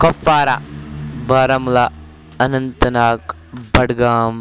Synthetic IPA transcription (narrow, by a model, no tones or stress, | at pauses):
kɐfaːɾabaːɾɐmla | ɐnɐnt̪ɐnaːk | bɐɽɡaːm